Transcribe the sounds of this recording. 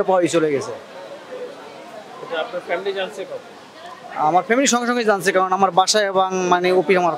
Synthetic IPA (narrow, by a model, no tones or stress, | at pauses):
apawit͡ɕoleɡɛt͡ɕʰe | eʈaapnaɾfɛmilid͡ʑant͡ɕʰekɔt̪ | amaɾfemiliʃɔŋɡeʃoŋɡed͡ʑant͡ɕʰekaɾonamaɾbaʃaeboŋmaneopiamaɾ